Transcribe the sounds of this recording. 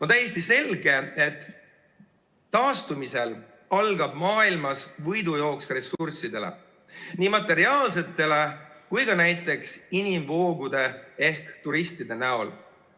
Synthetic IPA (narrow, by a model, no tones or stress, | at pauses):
o̞nt̪æjest̪ise̞lɡe̞e̞t̪ː | ɑːst̪umise̞l | ɑlɡ̥ɑb̥mɑːilmɑsvɤjd̪ujo̞ːksre̞sursid̪̥e̞lḛ | niːmɑt̪ːˑe̞ɾiɑːls̬e̞t̪ːe̞le̞kujɡɑnæjt̪ːˑe̞ksinimvo̞ːɡud̪̥e̞e̞hkt̪uɾist̪id̪e̞næo̞l